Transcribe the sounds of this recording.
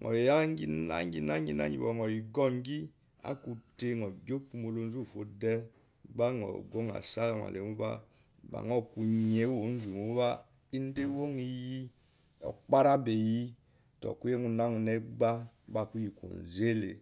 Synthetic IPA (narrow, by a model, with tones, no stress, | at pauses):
ŋɔ̰˨ja˦ŋ˦ɡi˦na̰˦ŋɡi˨na˦ŋ˦i˦na̰˦ḭ˨bɔ̰˨ŋɔ˨i˨ɡɔ˦ŋ˦ɡi˦ | a̰˦ku˨te˦ŋɔ˨ɡo˦pu˨˦mo˨lo˦n˦zu˦˨fo˨˦dɛ˦ | ba˦ŋɔ̰˨ɡo˦ŋa̰˨sa˦la˨ŋa̰˨le˨mu˦ba̰˦ | ba̰˨ŋɔ˦˨ku˨ɲe˦wo˨˦n̩˦zu˨mu˦βa˦ | i˦n˦de˦wo˦ŋi˦ji˦ | ɔ̰˨k͡pa˦ɾa˦be˨ji˦ | tɔ̰˨ku˦je˦ŋu˨na˦ŋu˨nɛ˦ɡ͡ba˦ | ba˦˨ku˦ji˨ko̰˨n˨ze˦lḛ˨